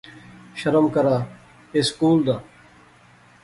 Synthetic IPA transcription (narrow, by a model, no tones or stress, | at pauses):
ʃəɾəmkəɾaː | eːskuːld̪aː